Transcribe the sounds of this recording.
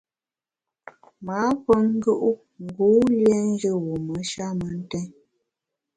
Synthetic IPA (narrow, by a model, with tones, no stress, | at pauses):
ma˨˦pə˦ŋ̩˦ɡə˦ʔu˦ | ŋ̩˨ɡu˨˦ljɛ˦n˦d͡ʒə˦˨wu˨mə˨˦ʃa˦mə˨˦n̩˦tɛ˦n